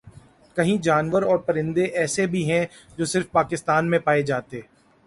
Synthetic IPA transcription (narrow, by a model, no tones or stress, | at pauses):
kɐɦĩd͡ʒaːnʋəɾɔːɾpɐɾɪ̃nd̪eʔɛːsebʱiɦɛ̃ | d͡ʒoːsɪɾfpaːkɪst̪aːnmẽpaːed͡ʒaːt̪eː